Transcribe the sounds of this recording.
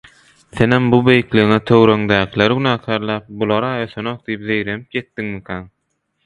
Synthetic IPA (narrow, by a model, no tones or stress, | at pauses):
θenhembube̞jikliɣiŋet̪ʰøwɾøŋd̪æːkʰileɾɡynɑːkʰæːɾlˠæːp̚bulˠɑɾɑːøθønoq̚d̪ijipðe̞jɾenip̚je̞t̪ːiŋmikʰæn